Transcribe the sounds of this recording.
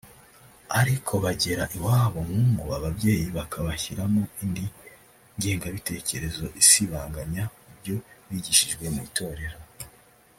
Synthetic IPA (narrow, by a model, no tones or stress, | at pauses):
aɾikʰo̞βaɟe̞ɾaʔiwaːβo̞ŋ̥huːŋɡuaβabɟe̞ːjiβakʰaβaçiɾamoindi | ɲɡe̞ːŋɡaβite̞ːce̞ɾe̞zo̞ʔisiβaːŋɡaɲaubjo̞βiɟiʃiʒɡwe̞muitʰo̞ːɾe̞ɾo